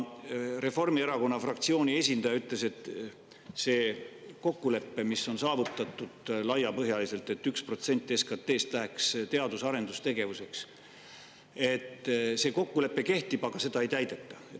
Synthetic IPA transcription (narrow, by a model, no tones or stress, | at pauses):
re̞fo̞rmieɾɑko̞nːɑfrɑkt̪sio̞ːnʲie̞s̬ʲind̪̥ɑjɑyt̪ˑle̞se̞t̪ːˑ | se̞ːko̞kːule̞pːe̞misːo̞nsɑːvut̪ːˑɑt̪ˑːud̪̥lɑjːɑpɤɦjɑlise̞lt̪e̞t̪ːykspro̞t̪se̞nʲt̪ːˑeskɑt̪ːe̞ːst̪læɦekst̪e̞ɑd̪̥usɑɾe̞nd̪ust̪e̞ɡ̥e̞vuse̞ks | e̞t̪ːse̞ːko̞kːule̞pːe̞ke̞ht̪ib̥ɑɡ̥ɑse̞d̪̥ɑe̞jt̪æjd̪̥e̞t̪ːˑɑ̥e